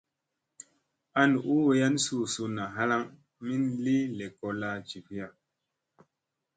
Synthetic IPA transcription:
a˦n˨u˦we˦ja˦nsu˦˨su˧na˨ɦa˦la˦ŋ | mi˦nli˦le˨ko˨la˦t͡ʃi˨ki˦ja˨

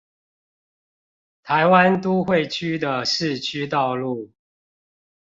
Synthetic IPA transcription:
t̪ʰa˨˦ɪwa˦nt̪u˦xwe˥˨ɪt͡ɕʰy˦d̪ə˨ʂɻ̩˥˨t͡ɕʰy˦t̪ɑ˥˧ʊlu˥˩

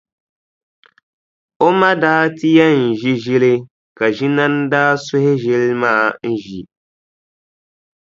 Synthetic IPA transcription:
o˦ma˦daː˦ti˦ja˦n̩˨ʒi˦ʒi˦lɪ˦ | ka˨ʒi˦na˦n˦daː˦sʊ˦hɪ˦ʒɪ˦lmaː˦˨n̩˦ʒi˨

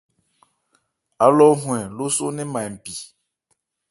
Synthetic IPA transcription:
a˨˦lɔ˦ɦw̃ɛ̃˨lo˦so˦nɛ̃˦mã˨m̩˨pi˨

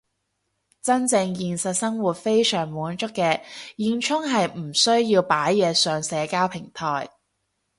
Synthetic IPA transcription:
t͡sɐ˥nt͡sɪ˧ŋjiː˨nsɐ˨t̚sɐ˥ŋwu˨t̚fe˥jsœː˨˩ŋmuː˨˥nt͡ʃʊ˥kːɛː˧jiː˧nt͡ʃʰʊ˥ŋɦɐ˨jm̩˨˩sɵ˥ɥjiː˧wpaː˨˥jːɛː˨˧sœː˨˧ŋsɛː˨˧kaː˥wpʰɪ˨˩ŋt̪ʰɔː˨˩j

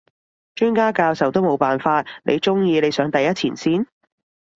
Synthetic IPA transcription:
t͡ʃyː˥nkaː˥kaː˧wsɐ˨˩wt̪o˥wmo˨˧wpaː˨nfaː˧t̚nḛ˨˧jt͡ʃʊ˥ŋjiː˧ne˨˧jsœː˨˧˥ŋt̪ɐ˨jɐ˥t̚t͡sʰiː˨˩nsiː˥˩n

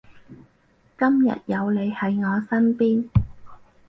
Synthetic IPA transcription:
kɐ˥mjɐ̰˨t̚jɐ˨˧wle˨˧jhɐ˨˥jŋɔː˨˧sɐ˥npiː˥n

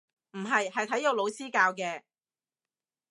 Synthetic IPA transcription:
m̩˨˩ɦɐ˨jhɐ˨jt̪ʰɐ˨˥jo˨˧wlo˨˧wsiː˥kaː˧wkɛː˧

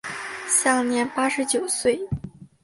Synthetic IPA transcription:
ɕja˥˩ŋnjɛ˧˥npa˥ʂɻ̩˧˥t͡ɕjo˨˩ʊswe˥˩ɪ

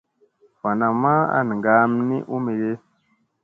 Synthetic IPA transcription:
wa˨na˨ma˦a̰˨n˨ŋɡa˨˦mnḭ˦ʔu˦mi˨ɾe˦

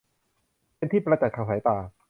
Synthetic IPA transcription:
pe˧nt̪ʰiː˥˩pɾa˧t͡ɕa˨˩t̪̚kʰaː˧˩saː˩˦jt̪aː˨˩

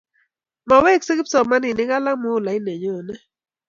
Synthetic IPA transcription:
ma˨we˦˨k̚si˦ki˦psɔ˨ma˦ni˨nɪ˦ɡa˦la˦mo˦˨la˨i˦nɛ˨ɲɔ˨nɛ˦

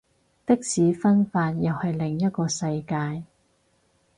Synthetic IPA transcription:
t̪ɪ˥k̚siː˨˥fɐ˥nfaː˧njɐ˨whɐ˨jlɪ˨˩ŋjɐ˥t̚kɔː˧sɐ˧jkaː˧j

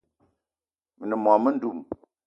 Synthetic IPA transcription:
mə˨nə˨mɔ˨mə˦n̩˦du˦˨m

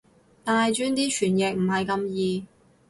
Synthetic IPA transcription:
t̪aː˨jt͡ʃyː˧nt̪iː˥t͡ʃʰyː˨˩njɛ˨k̚m̩˨˩ɦɐ˨jkɐ˧mjiː˨˧

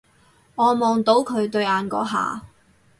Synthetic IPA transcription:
ŋɔː˨˧mɔː˨ŋt̪o˨˥wkʰɵ˨˧ɥt̪ɵ˧ɥaː˨˧nkɔ̰ː˨˥ɦa̰ː˨

